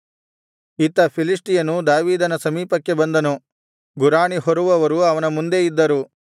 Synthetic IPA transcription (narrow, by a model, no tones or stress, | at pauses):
it̪ːɐpʰiliʂ̬ʈijɐnud̪aːʋiːd̪ɐnɐsɐmiːpɐkːe̞bɐnd̪ɐnu | ɡuɾaːɳiɦɔɾuʋɐʋɐɾuɐʋɐnɐmund̪e̞id̪ːɐɾu